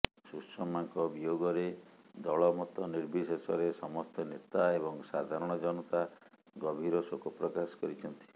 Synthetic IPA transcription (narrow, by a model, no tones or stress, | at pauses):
susɔmaŋkɔbijoɡɔɾed̪ɔɭɔmɔt̪ɔniɾbʱisesɔɾesɔmɔst̪ɔnet̪aeβɔŋsad̪ʱaɾɔɽ̃ɔd͡ʒɔnɔt̪a | ɡɔbʱiɾɔsokɔpɾɔkasɔ̥kɔɾit͡ʃʰɔnt̪i̥